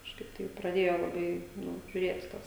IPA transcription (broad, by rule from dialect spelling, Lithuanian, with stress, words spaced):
kɐʃˈkɐɪp tɐɪp prɐˈdʲeːjoː lˠɐˈbɐɪ ˈnʊ ʒʲʊˈrʲeːt ˈtɐs